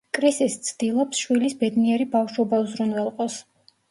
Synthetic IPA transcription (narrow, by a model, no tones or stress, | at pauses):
kʼɾisist̪sʰd̪̥ilˠɔpsʃwilisbɛd̪niɛɾibafʃwɔbauzɾunvɛlˠqʼɔs